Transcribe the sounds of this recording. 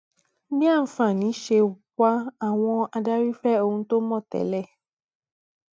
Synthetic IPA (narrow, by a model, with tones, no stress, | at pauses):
bĩ˦a˦˨m̩˨fã˨nĩ˨˦ʃe˧˨wa˦a˨w̃ɔ̃˧a˧da˦ɾi˦fɛ˦o˧hũ˧to˦mɔ̃˦˨t̪ɛ̰˨˦lɛ˦˨